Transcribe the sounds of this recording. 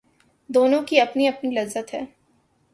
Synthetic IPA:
d̪oːnõkiɐpniɐpnilɐzːət̪ɦɛː

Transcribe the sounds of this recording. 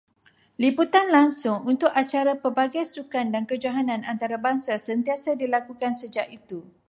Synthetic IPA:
liput̪anlaŋsʊŋunt̪ʊkat͡ʃaɾapəbaɡajsukandankəd͡ʒaɦanãnant̪aɾabaŋsasənt̪iasadilakukansəd͡ʒaʔit̪u

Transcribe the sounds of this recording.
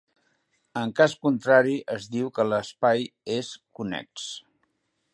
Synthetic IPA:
əŋkaskunt̪ɾaɾiʔəzðiwkələspajeskunɛ̰ks

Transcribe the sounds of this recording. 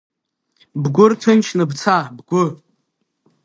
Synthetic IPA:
bɡʷʊrtʰɨnt͡ʃʰnɨbt͡sʰabɡʷʊ

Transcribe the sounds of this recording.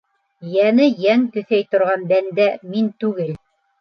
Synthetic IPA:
jænɘjæŋk̪ɵ̆θæjt̪ŏɾʁɑnb̪ænd̪æmint̪ʉɡɘl

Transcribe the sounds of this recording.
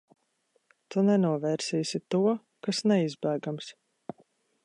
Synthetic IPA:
t̪unɛnuɔvɛːɾsiːsʲit̪uɔ | kasnɛizbæːɡams

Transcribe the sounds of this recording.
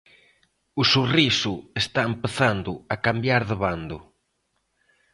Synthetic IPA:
ʊsurisʊest̪aempeθand̪ʊakambjaɾðɪβand̪ʊ̰

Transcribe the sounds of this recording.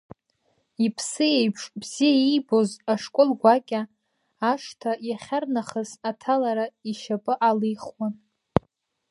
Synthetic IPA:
ipʰsɨjejpʰʂʼbz̥ijaijbo̞zaʂkʷʼʊlɡʷakʲʼaː | ʂtʰajaχʲarnaχəzatʰalaɾaiʃapʼɨʔalijχwan

